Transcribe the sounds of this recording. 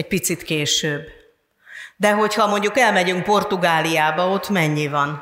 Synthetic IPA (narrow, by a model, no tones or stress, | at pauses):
ɛc̚pit̪sit̪keːʃøːbː | d̪ɛɦo̞chɒmo̞ɲɟukɛlmɛɟyŋk̚po̞rt̪uɡaːlijaːbɒo̞t̪ːmɛɲːivɒn